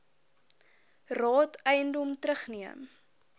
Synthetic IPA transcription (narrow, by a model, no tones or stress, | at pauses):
rɑːtəjəndɔmtɾəχniəm